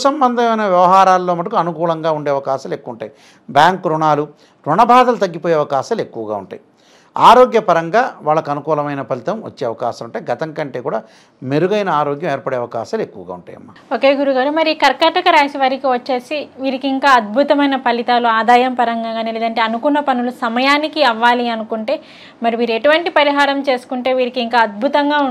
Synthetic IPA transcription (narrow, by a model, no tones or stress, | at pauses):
sɐmbɐnd̪ʱɐmɐjnɐʋjɐʋɐɦaːɾaːlːoːmɐʈ̬ːɐkuɐnukuːlɐŋɡaːuɳɖeːɐʋɐkaːʃɐle̞kːuuɳʈaːji | bjaːŋkɾuɳaːlu | ɾuɳɐbʱaːd̪ɐlut̪ɐɡːipoːjeːɐʋɐkaːʃaːle̞kːuʋɐɡa̰ːuɳʈaːji | a̰ːɾoːɡjɐpɐɾɐŋɡaːʋaːɭːɐkɐnukuːlɐmɐjnɐpɐlit̪ɐmʋɐ̰t͡ʃːeːɐʋɐkaːʃɐmuɳʈaːjɡɐt̪ɐŋkɐɳʈe̞ːkuːɽaː | meɾuɡɐjnɐaːɾoːɡjɐmeːɾpɐɽeːɐʋɐkaːʃaːlekːuʋɐɡa̰ːuɳʈaːjɐ̰mːa | o̞ːke̞ːɡuɾuɡaːɾumɐɾikɐɾkɐʈɐkɐɾaːʃiʋɐɾikiʋɐt͡ʃːe̞ːsiʋiːɾikiŋkaːɐd̪̚bʱut̪ɐmɐjnɐpɐlit̪aːluaːd̪aːjɐmpɐɾɐŋɡaːɡaːniːleːd̪ɐɳʈe̞ːɐnukunːɐpɐnulusɐmɐjaːnikiɐʋːaːliɐnukuɳʈe̞ː | mɐɾiʋiːɾueʈuʋɐɳʈipɐɾiɦaːɾɐmt͡ʃe̞ːsu̥kuɳʈe̞ːʋiːɾikiŋkaːɐd̪̚bʱut̪ɐŋɡaːu